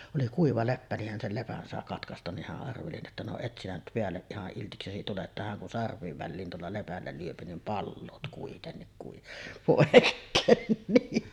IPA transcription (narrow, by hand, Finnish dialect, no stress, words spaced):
oli kuiʋɑ lepːæ nih hæn sel lepæn sɑˑe kɑtkɑstɑn nih hæʔ ʔɑrʋeli etːæ no et sinæ nyt peælːeʔ ʔihɑʔ ʔiltiksesi tuleʔ ʔetːæ hæŋ kun sɑrʋˑiːʋ ʋælːiːn tuolːɑ lepælːæ lyøpi nim pɑlːoːt kuitenːik kui poˑekːeːn ni